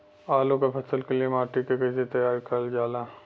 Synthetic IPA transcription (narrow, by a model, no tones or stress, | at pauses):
aːlõkapʰɐsəlkeliemaːʈikekɐːset̪ɐjaːɾkɐld͡ʒaːlaː